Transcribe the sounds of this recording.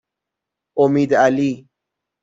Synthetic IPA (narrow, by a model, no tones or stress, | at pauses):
omiːd̪ali